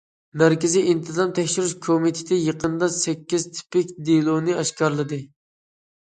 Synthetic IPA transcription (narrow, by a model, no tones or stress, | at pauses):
mæɾkʲiziʔint̪ʰɨzɑmt̪ʰɛkʲʃiɾuʃkʰomit̪ʰɪ̥t̪ɪjəqʰənd̪ɑsɛkʲːizt̪ʰi̥pɪkʲd̪ilˠonɨɛʃkʰɑɾlˠɨd̪ɨ